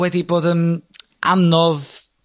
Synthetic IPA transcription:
wɛdiboːdən | ʔa̰nɔð

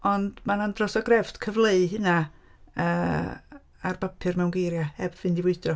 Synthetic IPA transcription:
ɔndmanandrɔsɔɡrɛvd̥kʰəvlˠeɨɦɨnaəː | arbapʰɨrmɛwnɡejɾjaɛbvɨndɪvwʊɨdrɔ

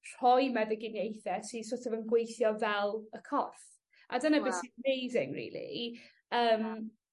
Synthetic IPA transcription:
r̥ɔjmɛðəɡɪnjejθɛtʰisotʰɔvənɡwejθjɔvɛlˠəkʰɔθ | ʔa̰dənabɪsimejzɪŋrḭːlˠḭ | əːm

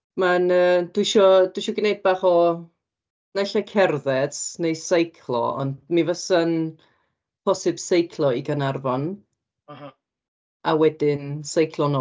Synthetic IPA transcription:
manəːd̥wɪʃɔd̥wɪʃɔɡɪnejd̚baχɔ | naɬakʰɛrðɛsnejsajkʰlˠɔ̰ɔ̰ndmivəsən | pʰɔsɨbsejkʰlˠɔiɡənarvɔn | awɛdɪnsajkʰlˠɔno

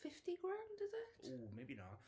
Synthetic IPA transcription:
fɪftiɡɹãʊ̃ndʌzɪtoːmeɪbinə̰t

